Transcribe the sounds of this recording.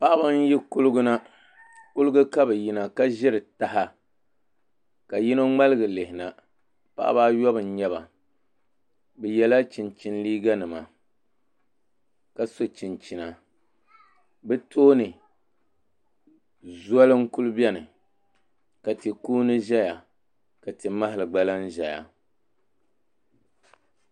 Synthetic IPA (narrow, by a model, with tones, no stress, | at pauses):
pa˦ʔa˦ba˦n˦ji˦kʊ˦lʊ˦ɡʊ˦na˦ | kʊ˦lɨ˦ɡʊ˦ka˦bɨ˨ji˨na˨ka˦ʒɪ˦ɾɨ˨ta˨ɦa˦ | ka˨ji˦no˦ŋ͡ma˦lɨ˦ɡɨ˨lɪ˨hɪ˨na˨ | pa̰˦ʔa̰˦baː˦jɔ˦bɨ˨n̩˦ɲɛ˦βa˨ | bɨ˨jɛ˨la˦t͡ʃɪ˨nt͡ʃɪ˦nliː˦ɡa˦nɨ˨ma̰˨ | ka˨so˨t͡ʃi˨nt͡ʃi˨na˨ | bɛ˦tʰoː˦nɨ˨ | zwa˦lɨ˦ŋ˦ku˦lɨ˦bɛ˦nɨ˨ | ka˨tɨ˨kuː˦nɨ˦ʒɛ˦ja˨ | ka˨tɨ˨ma˦ɦɪ˨lɨ˨ɡ͡ba˦la˦n˦ʒɛ˨ja̰˨